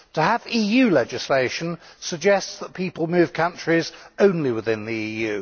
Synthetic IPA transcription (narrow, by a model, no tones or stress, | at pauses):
tʰəːviːjʉlɛd͡ʒɨsleɪʃə̃nsəɡ̚d͡ʒɛstsðət̚pʰiˑpəlˠmʉːv̥kʰʌ̃nt͡ʃɹ̥izə̃ʊ̃nliwɪðɪ̃nðiiːjʉ